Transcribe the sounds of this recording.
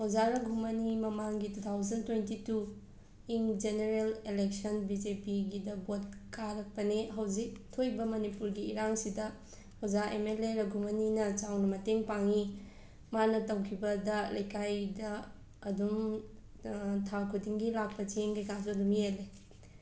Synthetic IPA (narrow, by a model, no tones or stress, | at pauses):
hozaɾɐɡʱumɐnimɐmaŋɡitut̪ʰawzɐntwentitu | iŋd͡ʒeneɾelelek̚sɐnbid͡ʒepiɡidɐbot̚kaɾɐk̚pɐneɦɐwzik̚tʰojbɐmɐnipuɾɡiːɾaŋsidɐ | hozaʔḛmeleɾɐɡʱumɐninɐt͡ʃawnɐmɐteŋpaŋi | manɐtɐwkʰibɐdɐlɐjkʰajdɐː | dum | tʰakʰudiŋɡilak̚pɐt͡ʃeŋɡɐjkas̬uɐdumijele